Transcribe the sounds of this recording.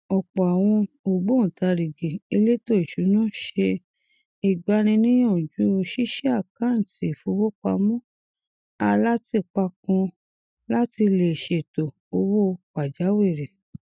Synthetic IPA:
ɔ˨k͡pɔ˨a˨w̃ɔ̃˧ | o˨ɡ͡bo˦n̩˨ta˧ɾi˨ɡi˨i˧le˦to˦i˨ʃu˨˦nã˦ʃe˧ | i˨ɡ͡ba˨˦nĩ˧nĩ˦jɔ̃˦˨d͡ʒu˨˦o˧ʃi˦ʃi˦a˦˨kã˨˦n̩˨ti˨fo˧˦wo˦k͡pa̰˧mɔ̃˦ | a˧la˦ti˧˨k͡pa˧kɔ̃˧ | la˦ti˧le˨ʃe˨to˨ | o˧wo˦˧k͡pa˨d͡ʒa˨˦we˦˨ɾe˨

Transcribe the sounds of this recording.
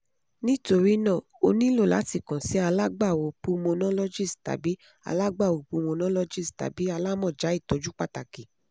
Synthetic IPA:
nĩ˦to˧ɾi˦nã˦˨ | o˧nĩ˦lo˦˨la̰˨˦ti˦˨kã˨si˨˦a˧la˦ɡ͡ba˦˨wo˨˦pu˧mo˧nã˦lɔ˦d͡ʒi˦˨sta̰˨bi˨˦ | a̰˧la˦ɡ͡ba˦˨wo˨pu˧mõ˧nã˦lɔ˦d͡ʒi˦˨sta̰˨bi˨˦a˧la˦mɔ̃˦˨d͡ʒa˨˦i˦˨tɔ˨˦d͡ʒu˦k͡pa˦˨ta˨ki˨

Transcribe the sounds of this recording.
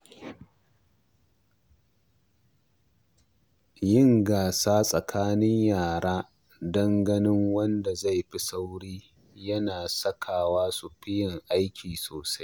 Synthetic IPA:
jɪ˦˨ŋɡaː˨saː˦sʼɐ˨kʰaː˦nɪ˦ɲjaː˨ɽaː˦ | dɐ˦ŋɡɐ˦nɪ˦ŋwɐ˦nda˨za˦˨jɸi˦sa˦wɽiː˦ | jɐ˦naː˨sɐ˦kʰaː˨waː˦su˨ɸɪ˦jɪ˨ŋʔa˦jkʲʰiː˨soː˨sa˦j

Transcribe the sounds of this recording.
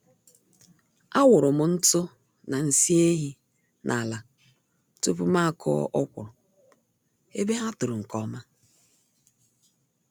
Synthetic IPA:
a˦wʊ˨ɾʊ˨mʊ˨n̩˦tʊ˦ | na˨n̩˦˨si˦e˦ɦi˦ | nʔa˨la˨ | tu˦pʊ˦ma˦˨kʰɔ̰˦ʔɔ˦kʷʊ̰ɔ̰˨ | e˦be˦ɦa˦tʊ˨ɾʊ˨ŋ̩˨kɔ˦ma˦

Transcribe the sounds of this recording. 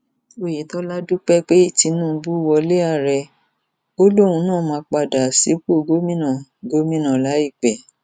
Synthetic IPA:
o˦˨ji˨˦tɔ˦la˦du˦k͡pɛ˦k͡pe˦i˦˨ti˧˦nũː˦˨˧bu˦wɔ˧le˦a˦˨ɾɛ˧ | o˦lo˦˨ũ˧˦nãː˦˨mãː˨˧k͡pa˧˨da˨si˨˦bu˦o˧ɡo˦mĩ˦nã˦˨ɡo˦mĩ˦nã˨la˨˦i˦˨k͡pɛ˨

